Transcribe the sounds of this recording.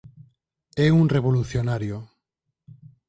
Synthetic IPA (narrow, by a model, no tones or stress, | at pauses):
ɛuŋreβoluθjonaɾjo